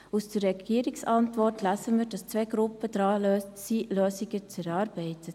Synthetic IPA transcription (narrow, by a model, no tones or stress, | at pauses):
usd̥ərɛɡiːəɾɪksɑntvɔrtʰlæsəməɾdɑst͡sʋeɡɾʊpːəd̥ɾɑːsiløːsiɡət͡sɛɾɑːɾb̥ɛɪtə